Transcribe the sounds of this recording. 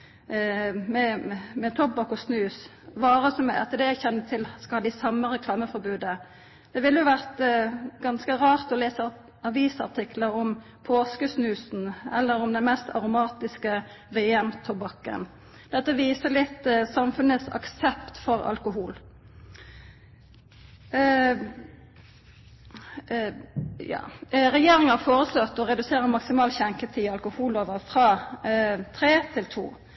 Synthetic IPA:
mɛmɛt̪ʰɔp̚bɑkːɔsnʉːs | ʋɑːʁəsɔmɛɛ̰t̪ːəd̪ɛæçɛnːət̪ʰɪlskɑhɑːd̪ɪsɑmːəʁɛkʰlɑːməfɔɾbʉːd̪ə | d̪̥ɛʋɪlːəjʊʋæʁt̪ɡɑnskəʁɑːʁt̪ɔleːsə | ɑʋiːsɑ̰ʁt̪ʰɪkləɾɔm | pʰoːskəsnʉːsn̩ɛ̰lːəɾɔmd̪ɛnmɛst̪ɑ̰ʁʊmɑːt̪ɪskə | ʋɛɛmt̪ʰɔbɑkːə̰n | d̪̥ɛt̪ːəʋiːsəlɪt̪ːsɑmfʉnəsɑ̰ksɛpt̪fɔʁɑ̰lkʊɦuːl | jɑ̰ːʁɛjeːɾɪŋəhɑfoːʁəslot̪ːɔʁɛd̪ʉseːʁəmɑksɪmɑːlçɛŋkət̪ʰiːɑlkʊhuːloːʋəʁfʁɑː | t̪ʰɾeːt̪ʰɪlt̪ʰṵː

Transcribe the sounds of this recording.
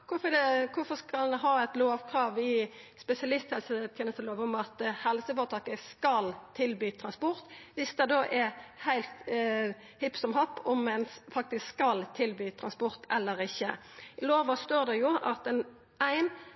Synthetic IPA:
kʰʊfɔd̪ɛkʰʊfɔskɑlɦɑːɛt̪loːʋkʰɾɑːʋɪspɛsɪɑlɪst̪hɛlsət̪ʰjɛːnəst̪əloːʋɔmɑt̪hɛlsəfɔːt̪ʰɑːkəskɑlt̪ʰɪlbyːt̪ʰɾɑnspɔɾt̪ʋɪsd̪ɛd̪oːʔɛɾhæɪlt̪ | hɪpsɔmhɔpːɔmɛnsfɑk̚t̪ɪskskɑlt̪ʰɪlbyːt̪ʰɾɑnspɔɾt̪ʰɛlːəɾɪçːəloːʋɑst̪oːd̪ɛjʊɑt̪ɛn | æɪn

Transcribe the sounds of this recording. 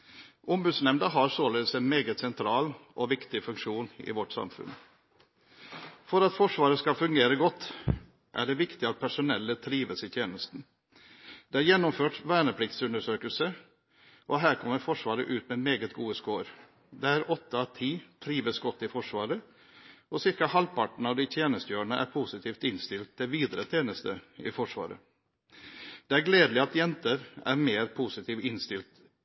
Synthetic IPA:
ʔʊmbʉːd̪snɛmnd̪əɦɑɾsoːleːd̪əsæɪnmeːɡət̪sɛnt̪ʰɾɑːlʔɔʋɪkt̪ɪfʉŋkʂuːnɪ̰ʋɔʈsɑ̰mfʉ̰n | fɔɾɑt̪fɔʂʋɑːɾəskɑfʉŋɡeːɾəɡɔt̪ː | ʔæ̰ɖɛʋɪkt̪ɪɑt̪̚pʰæʂʊnɛlːət̪ʰɾiːʋəsɪt̪ʰjeːnəst̪n̩ | d̪̥ɛæɾjɛnːɔmføːʈʋæːɳəpʰɽɪkt̪sʉnd̪əʂøːkəlsə | ʔɔɦæːɾkʰɔmːəɾfɔʂʋɑːɾə̰ʔʉːt̪mɛmeːɡət̪ɡuːəskoːɾ | d̪ɛæɾɔt̪ːət̪ʰiːt̪ʰɾiːʋəsɡɔt̪ːɪfɔʂʋɑːɾə | ɔsɪɾkɑhɑlpɑʈɳ̩ɑʋd̪ɪt̪ʰjeːnəst̪əjøːɾɳəʔæ̰ɾpʰusɪt̪ʰiːft̪ɪnst̪ɪlt̪ʰːd̪ɪʋiːd̪ɾət̪ʰjeːnəst̪əɪ̰fɔʂʋɑ̰ːɾə̰ | d̪̥ɛæɾɡleːd̪lɪɑt̪jɛnt̪əɾæ̰ɾmeːɾpʰusɪt̪ʰiːʋɪnst̪ɪlt̪

